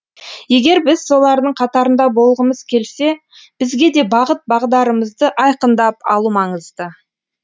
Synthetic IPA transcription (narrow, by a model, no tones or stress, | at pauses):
je̞ɡʲe̞ɾbɪzso̞lˠɑɾd̪əɴqʰɑt̪ɑɾənd̪ɑbo̞lˠʁəməz̥kʲʰe̞lse̞ | b̥ɪzɡʲe̞d̪e̞bɑʁət̪̚bɑʁd̪ɑɾəməzd̪əʔɑjqənd̪ɑpɑ̰lˠumɑɴəzd̪ə